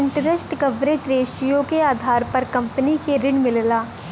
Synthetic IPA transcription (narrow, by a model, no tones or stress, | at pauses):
ɪ̃ɳʈɾesʈkɐʋɾeːd͡ʒɾeːʃijõkeaːd̪ʱaːɾpɐɾkɐ̃mpənikeɾɪɳmɪllaː